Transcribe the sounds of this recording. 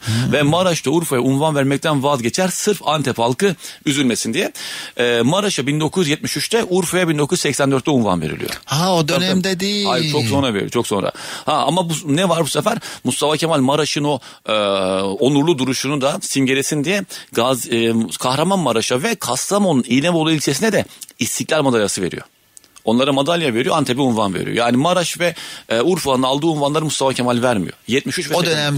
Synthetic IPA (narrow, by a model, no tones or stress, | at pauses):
vɛmaɾaʃt̪auɾfajaunvanvæɾmɛc̚t̪ʰænvazɟet͡ʃʰæɾsɯɾfant̪ʰɛpalˠkɯyzylʲmesind̪ijɛ | maɾaʃabind̪o̞kʰuzjyzjɛt̪̚miʃyt͡ʃt̪ʰɛʔuɾfajabind̪o̞kʰujuzsɛcsænd̪øɾt̪ːɛunva̰nveɾḭlʲḭo̰aod̪ønɛmd̪ɛd̪ejihajiɾt͡ʃʰokso̞nɾaveɾḭt͡ʃʰo̞kso̞nɾa̰haa̰mabunɛvaɾbusefæɾmust̪afacʰemalʲmaɾaʃɯno̞ | onuɾlˠud̪uɾuʃunud̪asimɟeɾesind̪ijɛɡazkʰaxɾamanmaɾaʃavɛkʰast̪amonuniːnʲɛvolˠuilʲt͡ʃʰesinɛd̪ɛist̪iclʲæɾmad̪alʲjasɯve̞̰ɾḭjo̰ | o̞nlˠaɾamad̪alʲjave̞ɾijo̞ant̪ʰebiunvanveɾḭjo̰jaːnimaɾaʃvɛuɾfulˠanalˠd̪ɯːunvanlˠaɾɯmust̪afacʰemalʲvæɾmijo̰jɛt̪̚miʃyt͡ʃvɛd̪ønɛm